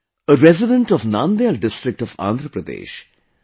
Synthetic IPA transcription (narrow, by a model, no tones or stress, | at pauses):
əɾɛzɪɖə̃ɳʈɔfnãːnd̪eːlɖɪsʈɾɪk̚ʈɔfã̰ːnd̪ʱɾəpɾəd̪ḛːʃ